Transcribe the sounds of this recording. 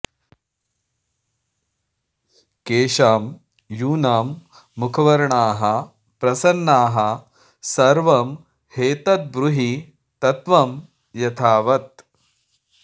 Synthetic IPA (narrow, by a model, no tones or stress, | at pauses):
keːʂaːm | juːnaːmː | ukʰɐʋɐɾɐɳaːɦɐ | pɾɐsɐnːaːɦɐ | sɐɾʋɐm | heːt̪ɐt̪̚bɾuɦi | t̪ɐt̪ʋɐm | jɐt̪ʰaːʋɐt̪̚